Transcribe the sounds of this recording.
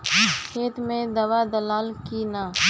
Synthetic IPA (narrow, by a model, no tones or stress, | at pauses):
kʰeːt̪mẽd̪ɐʋad̪ɐlaːlkina